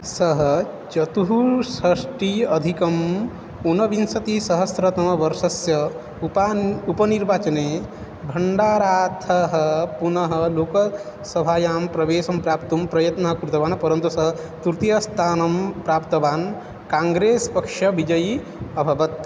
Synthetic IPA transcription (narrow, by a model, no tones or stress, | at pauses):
sɐɦɐ | t͡ʃɐt̪uɦusɐʃʈiɐd̪ʱikɐm | unɐʋinsɐt̪isɐɦɐsɾɐt̪ɐmɐʋɐɾʃɐsjɐ | upaupɐniɾbaːt͡ʃɐneː | bʱɐɳɖaːɾaːt̪ʰɐɦɐpunɐɦɐ̆loːkɐ | sɐbʱaːjaːmpɾɐʋeːsɐmpɾaːpt̪umpɾɐjɐt̪nɐɦɐkuɾut̪ɐʋaːnpɐɾɐnt̪usɐɦt̪uɾt̪ijɐst̪ʰaːnɐmpɾaːpt̪ɐʋaːn | kãːŋɡɾeːspɐkʂɐʋid͡ʒɐji | ɐbʱɐʋɐt̪